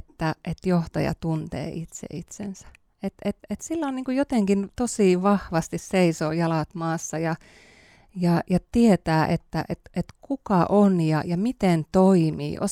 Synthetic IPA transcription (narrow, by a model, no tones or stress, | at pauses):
et̪ːæʔet̪joht̪ɑjɑ̰t̪unt̪ḛːʔit̪sḛit̪sḛnsæ̥ | et̪et̪et̪silːonniːŋkujot̪eŋkint̪osiˑʋɑhʋɑst̪isseisoːjɑlɑt̪mɑːsːɑjɑ | jɑjɑt̪iet̪æːʔet̪ːæ̰ʔet̪ʔet̪kukɑʔonjɑjɑmit̪ent̪oimḭːʔo̰